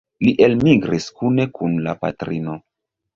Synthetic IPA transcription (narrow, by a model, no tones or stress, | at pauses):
liʔe̞lmiɡɾiskune̞kʰunlapa̰tɾino